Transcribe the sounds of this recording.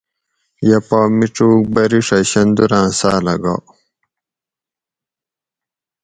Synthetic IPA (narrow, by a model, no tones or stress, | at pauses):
jɐpaːmiʈ͡ʂuːk̚bɐɾiʂɐɕɐnd̪uɾãːsaːlɐɡa̰ː